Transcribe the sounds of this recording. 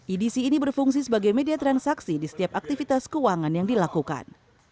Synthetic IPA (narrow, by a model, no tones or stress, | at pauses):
ʔidisiːnibərfuŋs̬isəbaɡajmediat̪ɾansaksidisə̥t̪iap̚ak̚t̪ifit̪askəwaŋanjaŋdilakuka̰n